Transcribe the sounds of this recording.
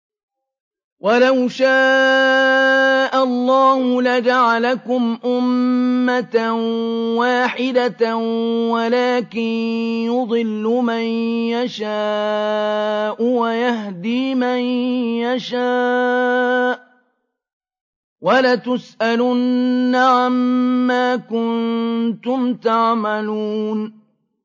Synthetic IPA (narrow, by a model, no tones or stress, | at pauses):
walawʃaː | ʔalˤːɑːhʊlad͡ʒaʕalakʊmʔʊmːat̪awaːħɪd̪a | walaːkɪnjʊd̪ˤɨlːʊmanjaʃaː | ʔʊwajaɦd̪iːmanjaʃaː | ʔ | walat̪ʊsʔalʊnːaʕamːaːkʊnt̪ʊmt̪aʕmaluːn